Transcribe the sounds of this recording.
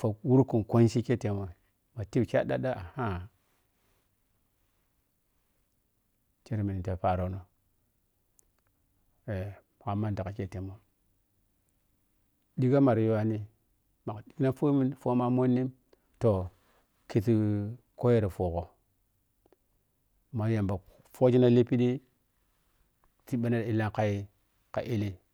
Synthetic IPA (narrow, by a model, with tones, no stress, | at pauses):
fo˨wu˦ɾku˨ko˦nʃi˦ke˦te˨mo˨ | ma˨ti˦bkʲa˦da˦ɗa˦ʔa˨ha˦ | t͡ʃe˦ɾmi˨ni˨ta˨pa˨ɾo˨no˨ | e˨ma˨ka˨mːa˦n˨da˨ka˨ke˦te˨mo˦ | di˦ɡa˦ma˨ɾjo˦wa˦ni˦ | ma˨kdi˨kna˦fu˦mi˦nfo˦ma˦mo˦nːi˦m | to˨ | ki˨ti˦ko˦je˦ɾa˨fo˨ko˨ | ma˨˦ja˨mba˨ | fo˦d͡ʒi˦na˦li˦pi˦di˦ | ti˦ɓa˦na˦ɾi˦la˦ŋka˦i˦ | ka̰˨ʔi˦li˦